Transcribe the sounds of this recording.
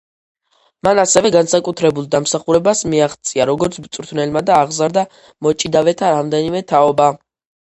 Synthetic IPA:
manasɛvɛɡansakʼut̪ʰɾɛbulˠd̪amsaχuɾɛbasmiaχt̪sʼiaɾɔɡɔɾt̪sʰbt̪sʼɾt̪ʰvnɛlmad̪aːʁzaɾd̪a | mɔt͡ʃʼid̪avɛt̪ʰaɾamd̪ɛnimɛt̪ʰaɔba

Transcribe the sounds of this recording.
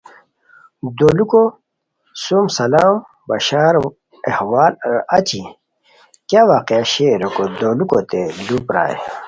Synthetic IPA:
d̪oːluko | sumsɐlaːm | bɐ̰ɕaːɾ | ḛhwaːlɾat͡ɕi | kjaːwaːqeaɕeɾɐkod̪oːlukot̪elupɾa̰ːḛ

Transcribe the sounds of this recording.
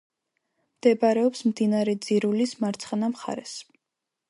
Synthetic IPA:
md̪ɛbaɾɛɔpsmd̪inaɾɛd̪ziɾulismaɾt̪sʰχnamχa̰ɾɛs

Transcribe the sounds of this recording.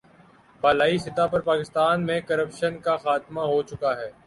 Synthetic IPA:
baːlaːisɪt̪apɐɾpaːkɪst̪aːnmẽkɐɾəpʃənkaxaːt̪maɦot͡ʃʊkaɦɛː

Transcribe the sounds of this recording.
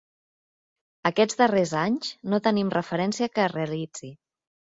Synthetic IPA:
əkɛd͡zd̪ərezaɲznot̪ənimrʔəfəɾɛnsiəkəreəlid͡zi

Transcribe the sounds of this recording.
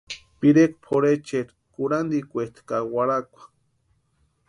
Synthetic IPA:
piɾek̚pʰoɾet͡ʃeɾ | kuɾand̪ikʷet̪ʰkawaɾakʷḁ

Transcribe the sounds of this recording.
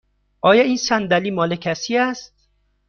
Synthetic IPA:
ʔɒːjɒiːnsænd̪æliːmɒːlecʰæsiːæst̪̚

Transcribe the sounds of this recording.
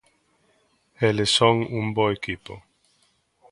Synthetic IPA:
elesoŋũmboekipo̰

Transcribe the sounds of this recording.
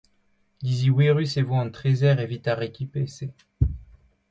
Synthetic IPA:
d̪iziwiʁysevwɔɑ̃t̪χezɛʁevit̪aʁekʲipese

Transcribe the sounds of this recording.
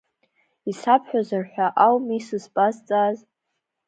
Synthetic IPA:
isapʰħʷᶣazarħʷᶣaʔawmisɨzpʼazt͡sʼaz

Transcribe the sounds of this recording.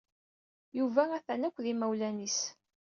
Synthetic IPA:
juvææθænækʷːðimæwlænis

